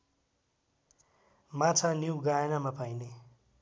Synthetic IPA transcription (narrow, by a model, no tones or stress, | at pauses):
mat͡sʰaniwɡaenamapajne